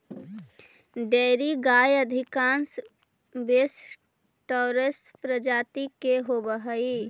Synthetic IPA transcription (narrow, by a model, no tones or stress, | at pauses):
ɖeːɾiɡaːjəd̪ʱɪkãːns | bes | ʈoːɾespɾəd͡ʒaːt̪ikeɦobəɦəi